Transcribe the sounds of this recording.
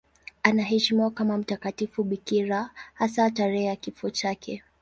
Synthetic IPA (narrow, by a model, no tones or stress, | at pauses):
anaɦɛʃimɔkamam̩takatifuɓikiɾahasataɾɛɛjakifɔt͡ʃakʰɛ